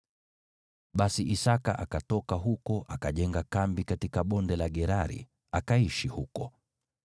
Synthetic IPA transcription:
ɓasiʔisaka̰ʔakatɔkaɦukɔʔakaʄɛŋɡakambikatikaɓɔndɛlaɠɛɾaɾḭ | akaiʃihukɔ

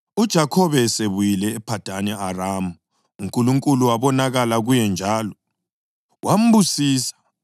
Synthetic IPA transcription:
ud̥ʒ̥ʱakʰɔβɛseβujilɛːpʰad̥ʱanɛaraːmu | uŋkʼuluŋkʼuluwaβɔnaɣalaɣujɛnd͡ʒʱaːlɔ | wʔam̩busiːsḁ

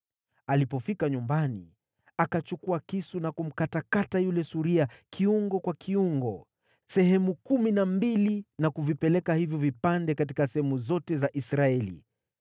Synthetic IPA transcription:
alipɔfikaɲumbanḭ | akat͡ʃukuakisunakum̩katakatajulɛsuɾiakʰiuŋɡɔkwakʰiuŋɡɔ | sɛɦɛmukuminambilinakuvipɛlɛkahivjɔvipandɛkat̬i̥kasɛhɛmuzɔtɛzaʔisɾaɛlḭ

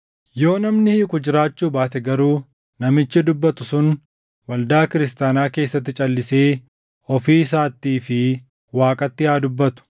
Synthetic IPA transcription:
jo̞ːnɐmnɪhɪkʊd͡ʒɪɾaːt͡ʃːuːbaːt̪ɛɡɐɾuː | nɐmɪt͡ʃːɪd̪ʊbːɐt̪ʊsʊn | wɐld̪aːkɪɾɪst̪aːnaːke̞ːsːɐt̪ːɪt͡ʃʼɐlːɪse̞ː | ɔfiːs̬aːt̪ːiːfɪ | waːkʼɐt̪ːɪaːd̪ʊbːɐt̪ʊ̥

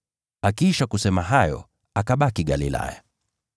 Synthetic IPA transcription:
akiʃakusɛmaɦajɔ̰ | akaɓakiɠalila̰ja̰

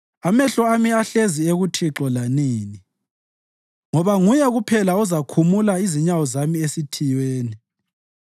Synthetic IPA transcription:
amɛɬɔamiaɬezieɣutʰiǁɔlaniːni | ŋɔβaŋujɛɣupʰɛlaɔzakʰumulaiziɲawɔzamiesitʰijweːni

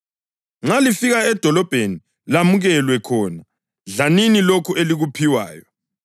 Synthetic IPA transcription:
ŋ͡ǁalifiɣaɛd̥ʱɔlɔb̥ʱeni | lamuɣɛlwɛkʰɔːna | ɮaninilokʰuʔeliɣupʰiwa̰ːjɔ

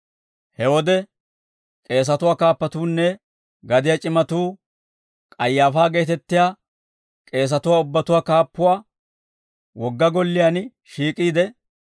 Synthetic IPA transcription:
hɛwɔd̪ɛ | kʼe̞ːs̬ɐt̪ʊwaːkaːpːɐt̪uːnːɛ | ɡɐd̪ɪjat͡ʃʼɪmɐt̪uː | kʼɐjːaːfaːɡe̞ːt̪ɛt̪ːɪjaː | kʼe̞ːs̬ɐt̪ʊwaːʊbːɐt̪ʊwaːkaːpːʊwaː | wɔɡːɐɡɔlːɪjan | ʃiːkʼiːd̪ɛ

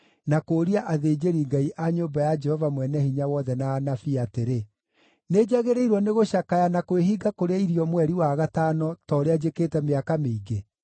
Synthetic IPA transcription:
nakoːɾiaʔaðeːd͡ʒeɾiŋɡaiʔaɲoːbajad͡ʒɛhɔvamwɛnɛhiɲawɔðɛnaːnafiateɾe | neːd͡ʒaɣeɾeiɾwɔneɣoɕakajanakoweɦiɡakoɾeaiɾiɔmwɛɾiwaɣataːnɔtɔɾead͡ʒekeːtɛmeakameiɡe

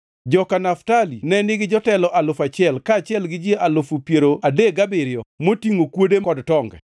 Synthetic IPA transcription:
d͡ʒɔkanaftalinɛnɪɡɪd͡ʒɔtɛlɔʔalʊfat͡ʃɪɛlkaːt͡ʃɪɛlɡɪd͡ʒjeʔalʊfupjeɾoadeɡabɪɾɪɔmotiŋokwodekɔdtɔŋɡɛ̰

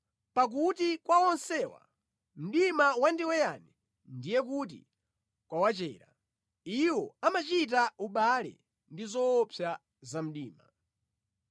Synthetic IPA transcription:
pak̬utikwawɔnsɛːwa̰ | m̩ɗimawandiwɛjani | ndijɛkut̬ḭ | kwawat͡ʃɛ̰ːɾa̰ | iwɔamat͡ʃit̬auɓalɛ̰ | ndizɔːpʰja | zam̩ɗiːma̰

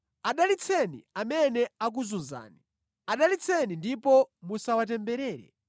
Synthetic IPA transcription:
aɗalit͡sʰɛnḭamɛnɛak̬uzunza̰ːni | aɗalit͡sʰɛnindipɔmusawat̬ɛmbɛɾɛːɾɛ̰

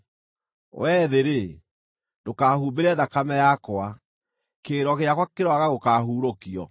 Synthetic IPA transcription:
wɛːðeɾe | dokaːhuːbeɾɛðakamɛjakwa | keːɾɔɣeakwakeɾɔaɣaɣokaːɦuːɾokiɔ̰

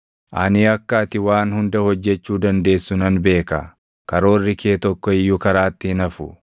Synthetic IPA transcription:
ʔaniːɐkːaːt̪ɪwaːnhʊnd̪ɐhɔd͡ʒːɛt͡ʃːuːd̪ɐnd̪e̞ːsːʊnɐnbe̞ːkɐ̰ | kɐɾo̞ːrːɪkʰeːt̪ɔkːɔɪjːʊkɐɾaːt̪ːɪhɪnɐfʊ

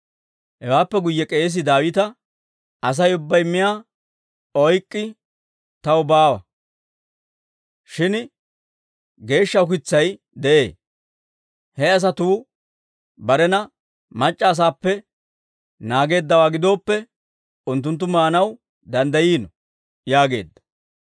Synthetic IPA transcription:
hɛwaːpːɛɡʊjːɛkʼe̞ːs̬ɪd̪aːwɪt̪ɐ | ɐs̬ɐjʊbːɐjmɪjaː | ɔjkʼːɪ | t̪ɐwʊbaːwɐ̰ | ʃɪn | ɡe̞ːʃːɐʊkɪt͡sːɐj | d̪ɛʔe̞̰ː | hɛɐs̬ɐt̪uː | bɐɾɛnɐ | mɐt͡ʃʼːɐːs̬aːpːɛ | naːɡe̞ːd̪ːɐwaːɡɪd̪o̞ːpːɛ | ʊnt̪̬ːʊnt̪̬ːʊmaːnɐw | d̪ɐnd̪ɐjiːnɔ | jaːɡe̞̰ːd̪ːɐ̥

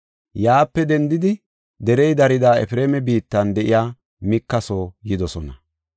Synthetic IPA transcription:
jaːpːɛd̪ɛnd̪ɪd̪ɪ | d̪ɛɾɛjd̪ɐɾɪd̪aːɛ̰fɪɾe̞ːmɛbiːt̪ːɐnd̪ɛʔɪjaː | mɪkːɐsoːjɪd̪ɔsɔnɐ

